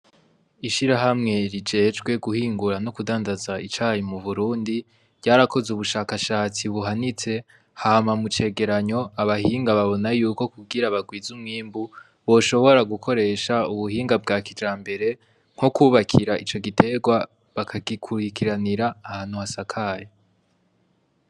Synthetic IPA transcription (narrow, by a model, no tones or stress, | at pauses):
iʃiɾaɦamŋe̞ɾid͡ʒe̞ːd͡ʒɡwe̞ɡuhiːŋɡuɾano̞kudaːndazait͡ʃaːjimuβuɾuːndi | vɟ̥aːɾakʰo̞zuβuʃaːkaʃaːt͡siβuɦanit͡se̞ | haːmamut͡ʃe̞ːɡe̞ɾaɲo̞aβahiːŋɡaβaβo̞najuːko̞kuɡiɾaβaɡwiːzumŋiːmbu | βo̞ʃo̞βo̞ɾaɡukʰo̞ɾe̞ʃauβuhiːŋɡabɡaːkid͡ʒaːmbe̞ɾe̞ | ŋ̥hokuːβakʰiɾaʔit͡ʃo̞ɡitʰe̞ɡwa | βakʰaɡikʰuɾikiɾaniɾaːhaːn̥huhasakʰaːje